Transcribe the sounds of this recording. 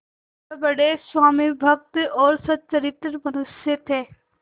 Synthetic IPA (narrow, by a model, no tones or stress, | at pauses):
bɐɽeswaːmibʱɐk̚t̪ɔːɾsɐt̪̚t͡ʃəɾɪt̪ɾmɐnʊsjet̪ʰeː